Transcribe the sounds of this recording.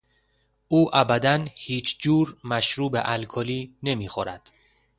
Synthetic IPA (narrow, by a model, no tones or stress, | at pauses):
ʔuːʔæbæd̪ænhiːt͡ʃʰd͡ʒuːɾmæʃɾuːbeʔælkʰɒliːne̞miːxoɾæd̪̥